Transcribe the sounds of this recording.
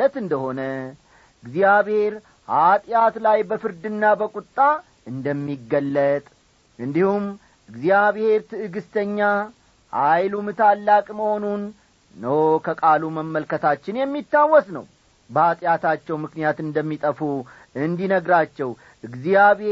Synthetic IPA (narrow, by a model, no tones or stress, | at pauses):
ət̪ɨnd̪əho̞nə | ʔɨɡzijaβhe̞ɾ | hat̪ʼjat̪lajbəfɨɾd̪ɨnːabəkʼut̪ʼːa | ɨnd̪əmːiɡːəlːət̪ʼ | ʔɨnd̪ihum | ʔɨɡzijaβhe̞ɾt̪ʰɨʔɨɡɨst̪ʰəɲːa | hajlumt̪ʰalːakʼməho̞nunː | əwkʰəkʼaluməmːəlkət̪ʰat͡ʃːɪnjɛmːit̪ːawːɔsnə̰w | bəhat̪ʼjat̪at͡ʃːɛwmɨknijat̪ɨnd̪əmːit̪ʼəfu | ɨnd̪inəɡɾat͡ʃːɛw | ɨɡzijaβe